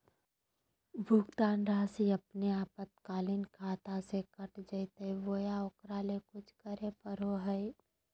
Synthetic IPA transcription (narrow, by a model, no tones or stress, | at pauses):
bʱʊɡd̪aːnɾaːsiɐpneaːpət̪̚kaːlɪnkʰaːt̪asekɐʈd͡ʒəɪt̪eiʋoːjaokɾaːlekʊt͡ʃʰkəɾepəɾoɦəj